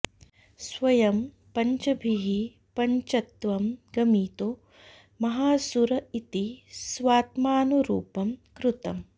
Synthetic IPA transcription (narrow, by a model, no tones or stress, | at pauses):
sʋɐjɐm | pɐɲt͡ʃɐbʱiɦi | pɐɲt͡ʃɐt̪ʋɐmɡɐmiːt̪o | mɐɦaːsuɾɐit̪isʋaːt̪maːnuɾṵːpɐmkɾut̪ɐm